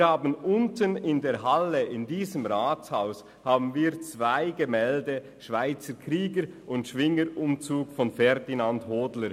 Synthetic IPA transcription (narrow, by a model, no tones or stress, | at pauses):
haːbənʔʊntənɪndeːɾɦaləʔɪndiːzəmʁaːt͡shaʊs | haːbn̩viːt͡sv̥aɪɡəmɛldə | ʃv̥aɪt͡səkʁiːɡəɾʔʊntʃvɪŋəɾʊmt͡suːkfɔnfɛɾdinandhoːdləɾ